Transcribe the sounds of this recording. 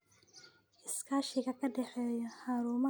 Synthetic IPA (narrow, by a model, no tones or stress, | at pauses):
ʔɪskʰaːʃɪɣɐkʰɐɖɛħɛːjɔħaːɾuːmɐ